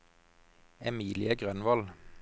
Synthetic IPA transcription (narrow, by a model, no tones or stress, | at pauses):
ɛmiːlɪəɡʁœnʋɔl